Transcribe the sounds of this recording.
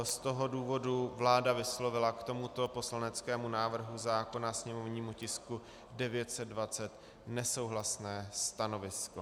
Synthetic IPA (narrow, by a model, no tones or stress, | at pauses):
st̪o̞ɦo̞duːvo̞duvlaːdavɪslo̞vɪlakt̪o̞mut̪o̞po̞slanɛt͡skɛːmunaːvr̩ɦuzaːko̞nasɲɛmo̞vɲiːmucɪsku | dɛvɪjɛt̪sɛd̪̚dvat͡sɛt̪ | nɛso̞wɦlasnɛːst̪ano̞vɪsko